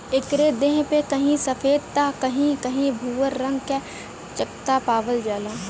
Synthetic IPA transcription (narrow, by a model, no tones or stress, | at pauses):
ɪkɾed̪ẽɦpekɐɦĩsəfʰeːd̪̚t̪akɐɦĩkɐɦĩbʱuːʋəɾːɐ̃ŋɡke | t͡ʃəkt̪apaːʋəld͡ʒaːlãː